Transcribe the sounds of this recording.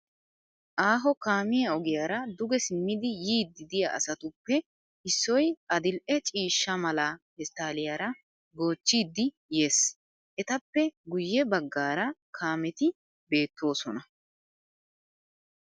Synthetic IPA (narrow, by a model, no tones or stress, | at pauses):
ʔaːɦɔkaːmɪjɐɔɡɪjaɾɐd̪ʊɡɛsɪmːɪd̪ɪjiːd̪ːɪd̪ɪjɐʔɐ̰sɐt̪ʊpːɛ | ɪsːɔjɐd̪ɪlʔɛt͡ʃʼiːʃːɐmɐlahɛst̪ːaːlɪjaɾɐ | ɡo̞ːt͡ʃːiːd̪ːɪ | je̞ːs | ʔɛt̪ɐpːɛɡʊjːɛbɐɡːaːɾɐkʰaːmɛt̪ɪ | be̞ːt̪ːo̞ːsɔnɐ